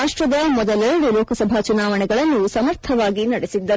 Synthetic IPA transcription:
aːʂʈɾɐd̪ɐmɔd̪ɐlɛɾɐɽulɔːkʰɐsɐbʱat͡ʃunaːʋɐɳɛɡɐɭɐnːusɐmɐɾt̪ʰɐʋaːɡinɐɽesid̪ːɐɾ

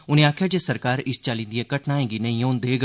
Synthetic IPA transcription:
ʊnẽaːkʰjad͡ʒeːsɐɾkaːɾɪst͡ʃaːlĩːnd̪iekɐʈʰnaːẽːɡinɐ̃ĩjõːnd̪eːɡ

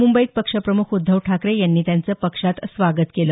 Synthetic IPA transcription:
mumbəiːt̪̚pəkʂəpɾəmukʰud̪ʱːəʋʈʰakɾejanːiːt̪jant͡səːpəkʂat̪sʋaɡət̪kelə

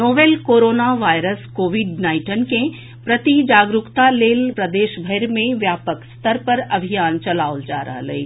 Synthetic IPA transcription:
noːʋeːlkoːɾoːnaʋaːjɾəskoːʋɪɖnaːɪ̃ʈənkẽ | pɾɐt̪id͡ʒaːɡɾʊkt̪aleːlpɾɐd̪eːʃbʱəɪɾmẽʋjaːpəkst̪əɾpɐɾɐbʱijaːnt͡ʃɐlaːold͡ʒa̰ːɾɐ̰ɦlɐḛː

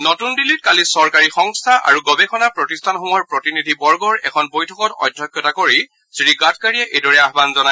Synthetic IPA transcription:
notundilit̚kalisɔɹkaɹixɔŋstʰaʔa̰ɹuɡɔbɛxʰɔnapɹɔtistʰanxɔŋɔɹpɹɔtinidʱibɔɹɡɔɹɛ̰kʰɔnbojtʰɔkɔtɔ̰dʱːɔkjɔtakoɹi | sɹiɡat̚ʰkaɹiɛʔejdɔɹɛaɦbanzɔnaj

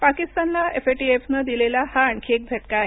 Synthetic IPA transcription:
pakist̪anlaʔefeʈiefnad̪ilelahaːɳkʰeːk̚bʱeʈkae

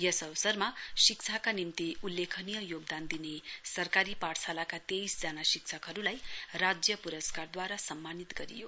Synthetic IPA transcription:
jʌsʌʋsʌrmasikt͡sʰakanimt̪iulːekʰʌnijʌjoɡd̪and̪inesʌrkaɾipaʈsʰalakat̪ejsd͡zanasik̚t͡sʰʌkɦʌɾulajrad͡zjʌpuɾʌskard̪waɾasʌmːanit̪ɡʌɾḭjo

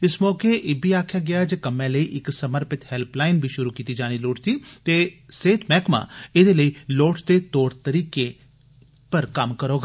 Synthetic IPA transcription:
ɪsmɔːkeʔɪbʱiːaːkʰjaːɡɪjaːd͡ʒekəmɛ̃ləiːʔɪksəməɾpɪt̪hɛlplaːɪnbʱiːʃʊɾuːkiːt̪id͡ʒaːɽ̃iloːʈt̪iːt̪eːseːt̪ʰmɛːkmã̰ːed̪eːləiːloːʈd̪eːt̪oːɾt̪əɾiːke | pəɾkɐmkəɾoːɡa

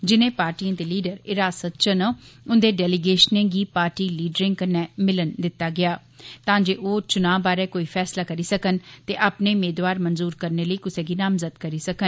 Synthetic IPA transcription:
d͡ʒɪnẽːpaːɾʈiːãːd̪eːliːɖəɾɪɾaːsət̪̚t͡ʃənəʊnd̪eːɖɛːlɪɡeːʃnẽːɡiːpaːɾʈiːliːɖɾɪ̃ŋɡkənɛːmɪlənd̪ɪt̪ːaːɡɪjaː | t̪ãːd͡ʒeːʔoːt͡ʃʊnãːʋbaːɾɛːkoːiːpʰɛːslaːkəɾiːsəkənt̪eːʔaːpneːmeːd̪waːɾmənzuːɾkəɾneːləiːkʊsẽːɡiːnaːmzəd̪kəɾiːsəkən

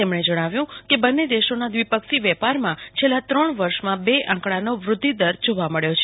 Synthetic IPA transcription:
emɳed͡ʒəɽ̃aʋjũkebənːed̪eʃonad̪ʋipəkʃiʋɛpaɾmãt͡ʃʰelːat̪ɾəɳ̃ʋəɾʃmãbeʔãkɽanoʋɾʊd̪ʱːid̪əɾd͡ʒoʋaməɭjot͡ʃʰe

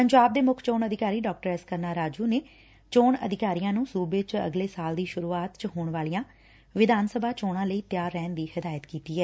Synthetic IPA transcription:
pəɲd͡ʒaːb̚d̪eːmʊkʰt͡ʃoːnəd̪ʱɪkaːɾiːɖɔːk̚ʈəɾɛskəɾnaːɾaːd͡ʒuːneː | t͡ʃoːɳə̰d̪ʱɪkaːɾiːjãːnũːsuːbeːt͡ʃə̰ɡleːsaːld̪iːʃʊɾuːaːt̪t͡ʃəɦoːɳʋaːlijãː | ʋɪd̪ʱaːnsəbʱaːt͡ʃoːɳãːləiːt̪jaːɾːɛːnd̪iːhɪd̪aːjət̪kiːt̪iːɦɛː

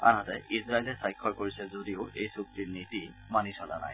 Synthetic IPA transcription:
a̰nɦatɛizɹailɛsajkʰːɔɹkoɹisɛzodioʔejsuk̚tiɹniti | manisʰɔla̰na̰j

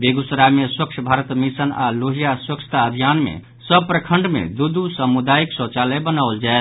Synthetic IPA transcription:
beɡusɾameswəkt͡ʃʰbʱaɾət̪misəna̰loɦijaswəkt͡ʃʰə̥t̪aəbʱijanmḛ | səb̚pɾəkʰəɳɖmḛd̪ud̪usəmud̪aiksot͡ʃaləbənaʊld͡ʒaet̪

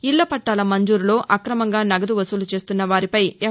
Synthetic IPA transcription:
ilːɐpɐʈːaːlɐmɐɲd͡ʒuːɾulo̞ːʔɐkɾɐmɐŋɡaːnɐɡɐd̪uʋɐsulut͡ʃe̞ːst̪unːɐʋaːɾipɐjɛ

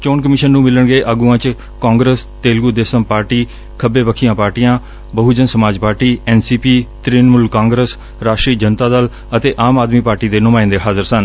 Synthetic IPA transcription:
t͡ʃoːnkəmɪʃənːũːmɪləɳɡəeːʔaɡuãːt͡ʃ | kãːŋɡɾest̪eːlɡud̪eːsəmpaːɾʈiː | kʰəbeːbəkʰiːãːpaːɾʈijãː | bəɦud͡ʒənsəmaːd͡ʒpaːɾʈiːɛːnsiːpiːt̪ɾiːnmʊlkãːŋɡɾəs | ɾaːʃʈɾiːd͡ʒənt̪aːd̪əl | ət̪eːʔaːmaːd̪miːpaːɾʈiːd̪eːnʊmaːɪnd̪eːɦaːzəɾsən

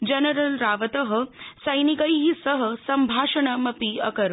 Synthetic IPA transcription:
d͡ʒɐnəɾɐlɾaːʋɐt̪əɦə̆sɐjnikəjɦisəɦəsɐmbʱaːʃɐɳ̃ɐmɐpiɐkɐɾ

